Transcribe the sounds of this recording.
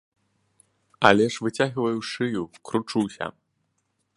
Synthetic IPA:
ɐ̰lʲɛʂvɨt͡sʲaɣvɐjuʂɨjukɾut͡ʂɨwsʲɐ̰

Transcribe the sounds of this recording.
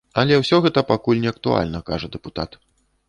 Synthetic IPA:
ɐlʲɛwsʲɔɣɛt̪ɐpakulʲnʲɛɐkt̪ua̰lʲnɐkaʐɐd̪ɛput̪a̰t̪

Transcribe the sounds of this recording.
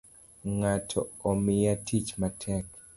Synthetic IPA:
ŋatʰɔ̰ɔmɪjatʰit͡ʃmatʰɛk

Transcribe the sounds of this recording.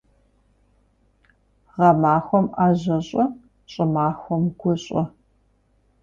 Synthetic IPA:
ʁɐmaːxʷɔmaːʑɐɕʼɔ | ɕʼɪmaːxʷɔmɡʷʊɕʼɐ

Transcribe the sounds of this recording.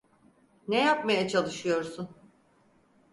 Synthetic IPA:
nɛjapmajat͡ʃʰalˠɯʃɯjo̞ɾsun

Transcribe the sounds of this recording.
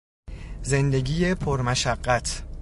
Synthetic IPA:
ze̞nd̪e̞ɡʲiːje̞pʰoɾmæʃæɢːæt̪ʰ

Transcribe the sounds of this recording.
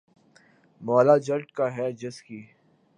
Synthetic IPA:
mɔːlad͡ʒɐɾʈkaɦɛd͡ʒɪski

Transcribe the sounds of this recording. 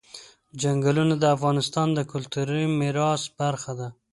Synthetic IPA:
d͡ʒaŋɡalunad̪əafɣɑnɪst̪ɑnd̪əkʊlt̪uɾəjmɪɾɑsbaɾxad̪a

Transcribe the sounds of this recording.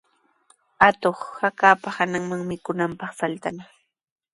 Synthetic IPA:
at̪oχhakaːpahanaŋmaŋmɪkʊnampɑχfalt̪ana

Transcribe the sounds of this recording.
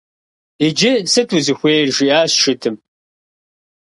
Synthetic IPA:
id͡ʒɪsɨtʰuzɨxʷeːrʒiːaːsʂɨtʰɨm

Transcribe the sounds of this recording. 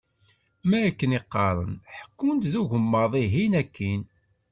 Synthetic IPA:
mæækːəniqːɑɾˤə̰nħə̥kːunt̪ðuʝəmːəðˤiɦinækːin

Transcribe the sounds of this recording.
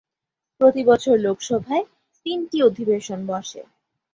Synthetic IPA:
pɾot̪ibɔt͡ɕʰoɾlokʃɔbʱae | t̪inʈiod̪ʱibeʃonbɔʃḛ

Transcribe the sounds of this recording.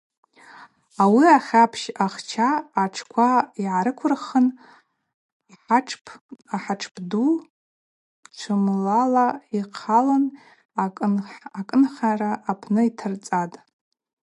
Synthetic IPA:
awiaχʲapʰʃaχt͡ʃʰaːʈ͡ʂʰkʷʰaiʕaɾɨkʷʰʊrχən | iħaʈ͡ʂʰpʰaħaʈ͡ʂʰpʰʼdu | t͡ʃʷʰɨmlalaiqʰalanʼ | akʼɨnχaraʔːpʰnɨitʰɨrt͡sʼatʼ

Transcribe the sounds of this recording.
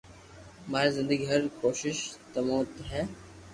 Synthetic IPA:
maːɾizɪ̃nd̪əɡiɦɐɾkoːʃɪʃt̪ɐmoːt̪ɦɛː

